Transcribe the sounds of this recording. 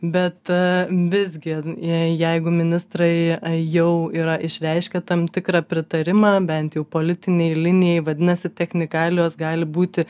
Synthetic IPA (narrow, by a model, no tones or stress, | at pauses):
bʲɛt̪ʋʲɪzʲɡʲɪjɛɪɡʊmʲɪnʲɪst̪rɐɪjɛʊiːɾɐʔɪʃʲɾʲɛɪʃʲkʲɛt̪ɐmt̪ʲɪkɾɑpʲɾʲɪt̪ɐɾʲɪmɑbʲɛnt̪jɛʊpoːlʲɪt̪ʲɪnʲɛɪlʲɪnʲɪjɛɪʋɐd̪ʲɪnɐsʲɪt̪ʲɛxʲnʲɪkɑːlʲɪjoːsɡɑːlʲɪbuːt̪ʲɪ